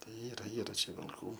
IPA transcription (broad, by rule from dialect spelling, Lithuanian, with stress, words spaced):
ˈtɐɪ ˈiːrɐ ˈiːrɐ ˈt͡ʃʲɛ ʋʲɪlˠˈkuː